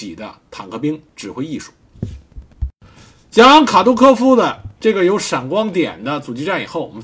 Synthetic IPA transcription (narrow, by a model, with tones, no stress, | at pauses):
i˨˩d̪ə̰˦t̪ʰɑ˨˩ŋkʰɤ˥˧˩pi˥ŋʈ͡ʂɻ̩˨˩xwe˥ɪi˥˩ʂu̥˥˩˦ | t͡ɕjɑ˥ŋkʰa˨˩t̪u˥kʰɤ˥˧fu˥d̪ə˨ʈ͡ʂɤ˥˩ɡə˩jo˧˥ʊʂa˨˩ŋkwɑ˥ŋt̪jɛ̰˨˩nd̪ə˦t͡su˨˩t͡ɕi˥ʈ͡ʂa˥˩ni˨˩xo˥˩ʊɔ˨˩mə˦